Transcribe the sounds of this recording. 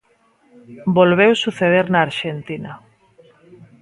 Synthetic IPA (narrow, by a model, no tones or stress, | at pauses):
bolβ̞ewsuθeðeɾnaːɾʃent̪inɐ